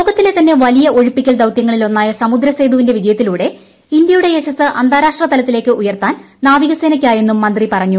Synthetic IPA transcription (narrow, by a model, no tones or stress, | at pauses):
lo̞ːɡɐt̪ːilet̪ːɐnːe̞ʋɐlijɐʔo̞ɻipːikʲːɐld̪ɐwt̪jɐŋːɐɭilo̞nːaːjɐsɐmud̪ɾɐsejd̪uːʋinde̞ʋid͡ʑɐjɐt̪ːiluːɽe̞ | ind̪jɐjuɽe̞eɕɐsɨʔɐ̰nd̪ʱaːɾaːʂʈrɐt̪ɐlɐt̪ːile̞ːkːɨʔujɐrt̪aːn | naːʋiɣɐseːnɐkʲːaːje̞nːumːɐnd̪ripɐrɐɲːu